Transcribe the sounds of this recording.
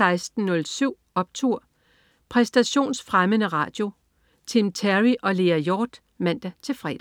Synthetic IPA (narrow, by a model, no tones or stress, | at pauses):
ɑ̈ɪsd̥̚n̩ːɔ̽lsyʊ̰ | ɒ̽b̥̚t͡sʰuɐ̰ | pʰʁɛsd̥æɕo̝̰ːnsfʁamənəʁɑ̰̈ːd̥jo̝ | t͡sʰimt͡sʰæʁiʔɒ̽le̝ːæjɒːd̥ | mæn̰d̥æt͡sʰe̝lfʁɛ̰ːd